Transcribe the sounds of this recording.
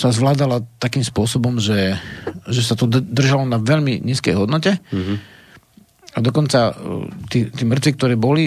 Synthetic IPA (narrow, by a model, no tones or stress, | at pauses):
sazʋlaːd̪alat̪akiːmspʊɔsɔbɔmʒɛ | ʒɛsat̪ɔd̪r̩ʒalɔnaʋɛʎmiɲiːskɛ̰jɦɔd̪nɔcɛ | ad̪ɔkɔnt͡sat̪iːt̪iːmr̩t̪zik̚t̪ɔɾɛːbɔli